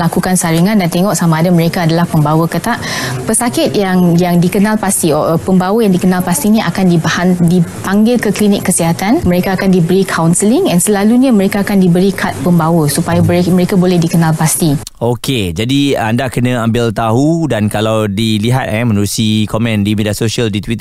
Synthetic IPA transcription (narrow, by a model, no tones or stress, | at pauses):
lakukansaɾiŋãndant̪eŋɔʔsamaːdaməɾekaːdalahpəmbawəkət̪aʔpəsakɪt̪̚jaŋjaŋdikənãlpast̪iopəmbawəjaŋdikənalpast̪inĩʔa̰kandibhandipaŋɡɪlkəklinɪkːəsiɦat̪anməɾekaːkandibəɾikʰawnsəlɪŋɛnsəlaluɲaməɾekaːkandibəɾikʰat̪̚pəmbawəsupajabeməɾekabolɛhdikənalpast̪i | oked͡ʒadia̰ndakənə̃ambɪlt̪aɦudankalawdiliɦa̰t̪̚ɛmə̃nuɾusikomɛ̃ndimidiasosiəldit̪wit̪